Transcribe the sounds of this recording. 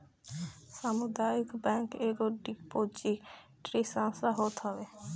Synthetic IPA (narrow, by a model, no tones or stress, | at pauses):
samud̪aikbɛ̃ŋkeɡoɖikpot͡ʃi | ʈɾisãnsaɦot̪ɦɔbe